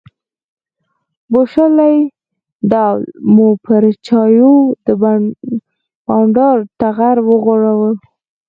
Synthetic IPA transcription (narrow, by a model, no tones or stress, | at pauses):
boʃalaj | ɖ̪awlmupəɾt͡ʃɑjod̪ə | bɑɳɖɑɾt̪aɣaɾwəɣoɽawəl